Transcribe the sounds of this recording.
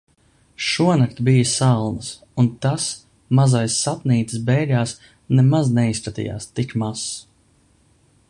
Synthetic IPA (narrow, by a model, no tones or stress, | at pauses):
ʃuɔnakt̪bijəsalˠnəs | unt̪as | mazajsːat̪niːt̪ɨ̥sbɛjɾaːs | nɛmaznɛispɾat̪ḭja̰ːst̪ikmas